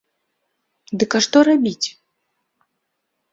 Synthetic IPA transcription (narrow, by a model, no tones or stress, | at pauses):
d̪ɨkaʂt̪ɔɾabʲit͡sʲ